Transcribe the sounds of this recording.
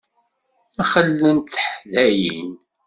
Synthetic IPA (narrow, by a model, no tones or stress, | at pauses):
mæχəlːənt̪θəħðæjin